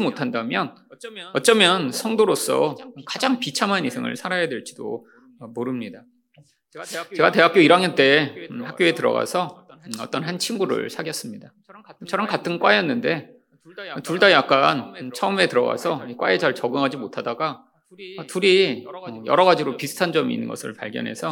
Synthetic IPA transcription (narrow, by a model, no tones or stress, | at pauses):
imotʰandamjʌnʌt̚t͡ɕ͈ʌmjʌnsʰʌŋdoɾos͈ʌ̰kad͡ʑaŋpit͡ɕʰamɦanisʰeŋɯ̰ɭsʰaɾajadwe̞ɭt͡ɕ͈i̥d̥o̰ | ʌmoɾɯmɲida | t͡ɕe̞ɡate̞ɦak͈joiɾaŋjʌnt͈e̞hak̚k͈joe̞tɯɾʌ̰ɡa̰sʰʌ | ʌt͈ʌnɦant͡ɕʰinɡuɾɯ̰ɭsʰaɡjʌs͈ɯmɲida | t͡ɕʌɾʌmkatʰɯnkwajʌnːɯnde̞ | tuɭdajak͈̚ant͡ɕʰʌume̞tɯɾʌ̰ɡa̰sʰʌikwa̰et͡ɕaɭt͡ɕʌɡɯŋɦad͡ʑimotʰadaɡaː | tuɾiʌjʌ̰ɾʌɡad͡ʑiɾopisʰɯ̥tʰand͡ʑʌmiḭnːɯnɡʌ̰sʰɯ̰ɭpa̰ɭɡjʌ̰nɦe̞̰sʰʌ